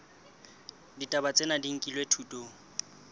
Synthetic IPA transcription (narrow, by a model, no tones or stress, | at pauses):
ditʼabat͡sʼenadiŋ̩kʼilwetʰuːtʼoŋ̩